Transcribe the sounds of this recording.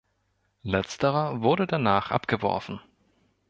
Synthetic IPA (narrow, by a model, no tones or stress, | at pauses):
lɛt͡stəʁɐvʊɐɾədanaːχʔa̰pɡ̥əvɔ̰ɐfn̩